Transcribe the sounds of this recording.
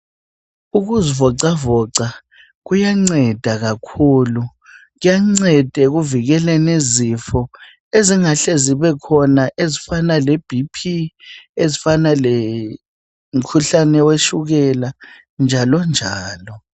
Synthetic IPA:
uɣuzivɔǀavɔǀa | ɣujaŋ͡ǀɛd̥ʱaɣakʰuːlu | ɣujaŋ͡ǀɛd̥ʱɛɣuviɣɛlɛnezifɔ | eziŋaɬeziβɛkʰɔnaʔezifanaleb̥ʱipʰiezifanale | m̩kʰuɬanɛweʃuɣɛla | nd͡ʒʱalɔnd͡ʒʱaːlɔ

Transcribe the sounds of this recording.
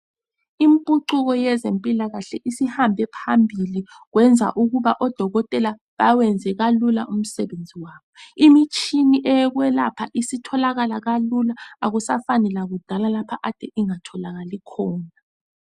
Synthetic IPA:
impʼuǃuɣɔjɛzempʼilaɣaɬɛʔisihambʱɛpʰambʱili | ɣwɛnd͡zʱa̰ʔuɣuβaʔɔd̥ʱɔɣɔtʼɛla | βawɛnd͡zʱɛɣalula̰ʔum̩sɛβend͡zʱiwaːβɔimit͡ʃʼiniʔɛɣwɛla̰pʰa̰ʔisitʰɔlaɣalaɣalulaaɣusafanɛlaɣud̥ʱalalapʰaʔad̥ʱɛʔiŋatʰɔlaɣalikʰɔːna

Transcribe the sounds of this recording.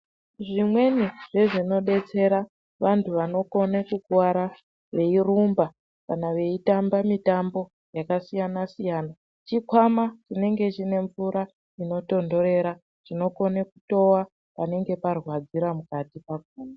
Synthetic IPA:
ʐimwe̞niʐ̥e̞ʐino̞ɗe̞t͡se̞ɾa | ʋantʰuʋano̞ko̞nekukuwaɾa | ʋe̞irumba | kanaʋe̞itambamitambo̞ | jakasijanasijaːna | t͡ʃikwamat͡ʃine̞ŋɡe̞t͡ʃine̞ɱvuɾa | ino̞to̞ndo̞ɾe̞ɾa | ʐ̥ino̞ko̞nekuto̞wa | pane̞ŋɡe̞parwad͡ziɾamukatipaɡ̚uːna

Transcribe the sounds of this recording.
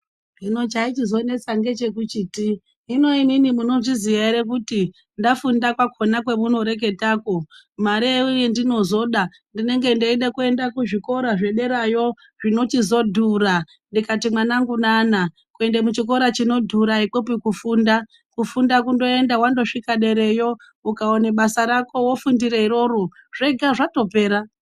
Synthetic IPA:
ʐino̞t͡ʃait͡ʃizo̞ne̞t͡saŋɡe̞t͡ʃe̞k̬ut͡ʃiːtiː | no̞iminimuno̞ʐiziʋaiɾek̬uti | ndafundakwakʰo̞nakwe̞muno̞ɾe̞k̬e̞taːko̞maɾeeujendino̞zo̞ɗa | ndine̞ŋɡe̞ndeiɗekue̞ndakuʐiko̞ɾaʐe̞ɗe̞ɾajo | ʐino̞t͡ʃizo̞dʱura | ndikatimwanaŋɡunaːna | kue̞ndemut͡ʃiko̞ɾat͡ʃino̞dʱuɾaikopikufuːnda | kufundakundo̞e̞ndawando̞ʂikaɗe̞ɾe̞jo̞ | ukaoneɓasaɾako̞wofundiɾeiɾo̞ɾoʐe̞ɡʱaʐato̞pe̞ːɾa

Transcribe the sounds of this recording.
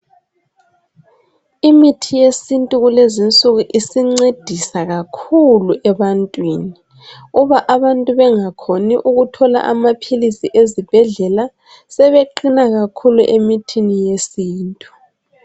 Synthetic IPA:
imitʰijesintʼuɣulezint͡sʼuɣuʔisiŋ͡ǀed̥ʱisaɣakʰuluʔɛβantʼwiːni | uβaʔaβantʼuβɛŋakʰoniʔuɣutʰɔla̰ʔamapʰilisiʔezib̥ʱɛɮɛla | sɛβeǃinaɣakʰuluʔemitʰinijesiːntʼu̥

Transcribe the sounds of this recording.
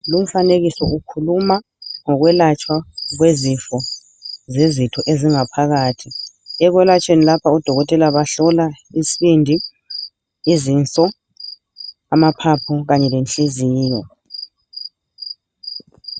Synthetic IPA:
lum̩faneɣisɔʔukʰuluma | ŋɔɣwɛlat͡ʃʼwaɣwezifɔ | zezitʰɔʔeziŋapʰaɣaːtʰi | ɛɣwɛlat͡ʃʼwenilapʰaud̥ʱɔɣɔtʼɛlaβaɬɔla | isiβindʱi | izint͡sʼɔ | amapʰapʰɔɣaɲɛlent͡ɬʼiziːjɔ

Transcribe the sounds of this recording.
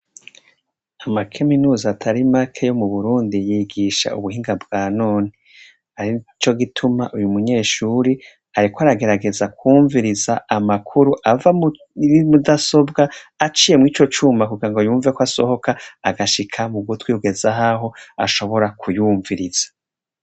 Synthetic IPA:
amakʰe̞minuːzaːtʰaɾimakʰejo̞muβuɾuːndijiɡiʃa̰ʔṵβuhiːŋɡabɡaːnoːni | aɾit͡ʃo̞ɡitʰumaʔujumuɲe̞ːʃuːɾi | aɾikoaɾaɡe̞ɾaɡe̞zakʰuːɱviɾizaʔamakʰuɾuʔava | imudaso̞bɡaːt͡ʃije̞mŋiːt͡ʃo̞t͡ʃuːmakuɡiɾaŋɡojuːɱvekoaso̞̰ho̞kaːɡaʃikʰamuɡutwiuɡe̞zaɦaɦo̞a̰ʃo̞βo̞ɾakʰujuːɱviɾiz̥ḁ

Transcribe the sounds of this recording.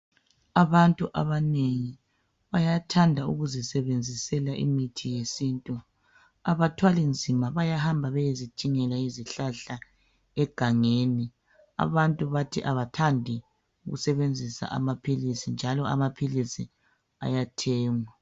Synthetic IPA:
aβantʼuʔa̰βaneŋi | βajatʰandʱaṵɣuzisɛβend͡zʱisɛlaʔḭmitʰijesintʼu | aβatʰwalind͡zʱimaβajahambʱaβɛjezi̥t͡ʃʼiŋɛlaiziɬaɬa | ɛɡ̥ʱaŋeni | a̰βantʼuβatʰiʔaβatʰandʱi | uɣṵsɛβend͡zʱisa̰ʔa̰mapʰilisind͡ʒʱalɔa̰mapʰilisḭ | a̰jatʰɛːŋwa

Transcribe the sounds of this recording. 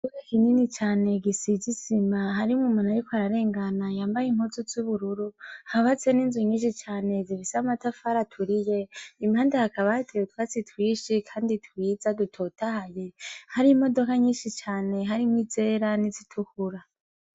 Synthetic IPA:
duɾekininit͡ʃaːne̞ɡisizizimaɦaɾiumumanaɾikoaɾaɾe̞ːŋɡanajaːmbajim̥hozuzuβuɾuɾuhaβat͡seniːnzuɲiːʃit͡ʃaːne̞ziβisamatafaɾatʰuɾije̞im̥haːndahakʰaβahatʰewetwat͡sitwiːʃikʰaːnditʰwiːzadutʰotahaje̞haɾimo̞do̞kaɲiːʃit͡ʃaːne̞ɦaɾimwizeːɾanizitʰukuɾa

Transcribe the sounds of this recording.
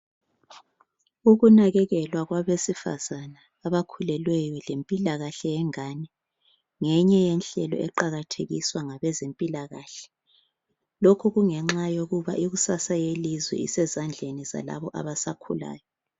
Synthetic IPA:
uɣunaɣɛɣɛlwaɣwaβesifa̰z̥anaːβakʰulɛlwɛjɔlempʼilaɣaɬɛjɛŋaːnɛ | ŋɛɲɛjɛnɬɛlɔ̰ʔɛǃaɣatʰeɣḭswaŋaβɛzempʼilaɣaːɬɛ̥ | lokʰuɣuŋɛŋ͡ǁajoɣuβa̰ʔiɣusasajelizwɛ̰ḭsɛzand͡ɮʱeniza̰la̰βɔʔa̰βasakʰṵla̰ːjɔ

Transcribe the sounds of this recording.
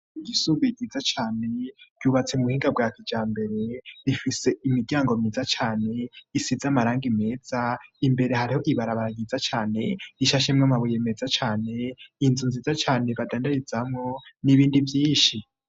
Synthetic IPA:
ɡisuɡiɡizat͡ʃaːne̞ɟ̥uːβat͡seumuhiːŋɡab̚ɡaːkid͡ʒaːmbe̞ɾe̞ɾifise̞imiɾɟaːŋɡomiːzat͡ʃaːne̞isizamaɾaːŋɡime̞ːz̥aimbe̞ɾe̞haɾiho̞ʔiβaɾaβaɾaɡizat͡ʃaːne̞iʃaʃ̬emŋamaβuje̞me̞ːzat͡ʃaːne̞inzunziːzat͡ʃaːne̞βadaːndaɾizamŋo̞niβiːndivjiːnʃi

